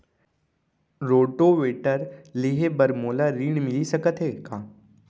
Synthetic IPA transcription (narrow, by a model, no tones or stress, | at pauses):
ɾoːʈoʋeːʈəɾleɦebəɾmoːlaɾiːɳmɪlisəkət̪ɦeːkʰãː